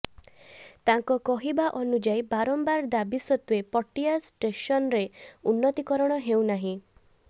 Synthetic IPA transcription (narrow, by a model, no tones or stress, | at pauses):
t̪aŋkɔkɔɦibaʔɔnud͡ʒajbaɾɔmbaɾd̪abisɔt̪uepɔʈiasʈeʃɔnɾeunːɔt̪ikɔɾɔɽ̃ɔɦewnaɦĩ